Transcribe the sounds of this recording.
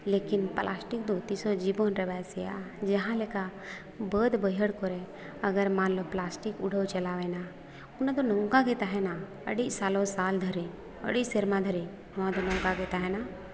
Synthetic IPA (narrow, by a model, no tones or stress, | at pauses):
leːkɪnplʔaːsʈik̚d̪ot̪isod͡ʒibonɾebaseja̰ | d͡ʒəɦãleka | bəːd̪bəjəɽkɔɾe | əɡəɾmãnloplaːsʈikʊɽʱəwt͡ʃɐlaʋɛna | ʊnãd̪onɔ̃ŋɡaɡeːt̪aɦɛna | ə̰ɽisaːlosaːld̪ʱəɾĩ | ə̰ɽiseɾmãd̪ʱəɾi | ʊnãd̪onɔ̃ŋɡaɡeːt̪aɦɛna